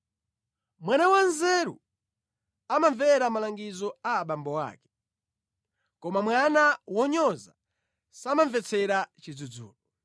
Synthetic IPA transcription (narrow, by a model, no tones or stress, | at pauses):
mwanawanzɛɾṵ | amaɱvɛɾamalaŋɡizɔaːɓambɔwa̰ːkɛ̥ | kɔmamwanawɔɲɔza | samaɱvɛt͡sʰɛɾat͡ʃid͡zud͡zṵːlɔ